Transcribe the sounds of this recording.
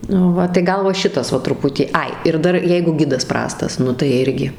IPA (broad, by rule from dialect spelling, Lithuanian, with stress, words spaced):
nʊ ˈʋɐ tɐɪ ˈɡɐlˠ ʋɐ ˈʃʲɪtɐs ˈʋɐ trʊˈpʊtʲiː ˈɐɪ ɪr ˈdɐr ˈjɛɪɡʊ ˈɡʲɪdɐs ˈprɑːstɐs ˈnʊ tɐɪ ˈɪrʲɡʲɪ